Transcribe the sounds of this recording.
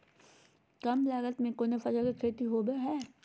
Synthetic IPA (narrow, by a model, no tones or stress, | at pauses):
kɐmlaːɡət̪mẽkoːnefɐd͡ʒəlkekʰɾeːt̪iɦoːbeɦɛː